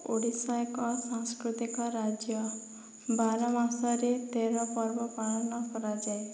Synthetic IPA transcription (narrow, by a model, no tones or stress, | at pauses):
oɽisɔjkɔsaŋskɾut̪ikɔɾad͡ʒjɔ | baɾɔmasɔɾet̪eɾɔpɔɾbɔpalɔnɔkʰɔɾad͡ʒaj